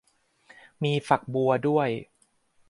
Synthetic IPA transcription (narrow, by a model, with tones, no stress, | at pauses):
miː˧fa˨˩k̚bu˧ɐdu˥˩əj